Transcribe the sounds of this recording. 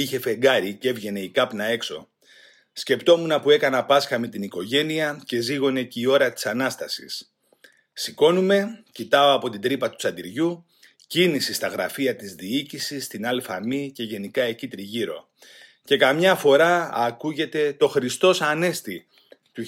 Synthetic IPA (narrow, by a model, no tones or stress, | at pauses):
içe̞fe̞ŋɡɐɾice̞vʝe̞ne̞ikɐpnɐe̞kso̞̰ | sce̞pt̪o̞munɐpue̞kɐnɐpɐsxɐmet̪iniko̞ʝe̞niɐce̞ziɣo̞ne̞cio̞ɾɐt̪i̥sɐnɐst̪ɐsḭs | siko̞nume̞cit̪ɐo̞ɐpo̞t̪ind̪ɾipɐt̪u̥t͡sɐnd̪iɾʝu | cinisist̪ɐɣɾɐfiɐt̪izðiicisist̪inɐlfɐmice̞ʝe̞nikɐe̞cit̪ɾiʝiɾo̞̰ | ce̞kɐmɲɐfo̞ɾɐːkuʝe̞t̪e̞t̪o̞xɾist̪o̞sɐne̞st̪i | t̪u